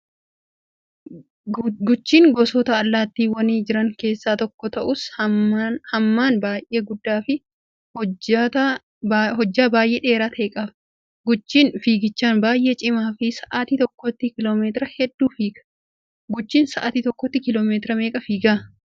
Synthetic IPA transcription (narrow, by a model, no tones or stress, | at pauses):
ɡʊt͡ʃːiːŋɡɔsɔt̪ɐɐlːaːt̪ːiːwɐniːd͡ʒɪɾɐŋke̞ːsːaːt̪ɔkːɔt̪ɐʔʊs | hɐmːaːnbaːjʔe̞ːɡʊd̪ːaːfɪ | hɔt̪ɐ | hɔd͡ʒːaːbaːjʔe̞ːᶑe̞ːɾaːt̪ʰeːkʼɐf | ɡʊt͡ʃːiːnfiːɡɪt͡ʃːaːnbaːjʔe̞ːt͡ʃʼɪmaːfɪsɐʔaːt̪iːt̪ɔkːɔt̪ːikɪloːmeːt̪ɪɾɐhɛd̪ːuːfiːɡɐ̥ | ɡʊt͡ʃːiːnsɐʔaːt̪iːt̪ɔkːɔt̪ːikɪloːmeːt̪ɪɾɐme̞ːkʼɐfiːɡaː